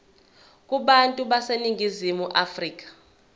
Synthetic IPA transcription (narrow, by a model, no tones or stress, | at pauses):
kʼuɓantʼuɓaseniŋʱizimuʔafriːk̬ʼḁ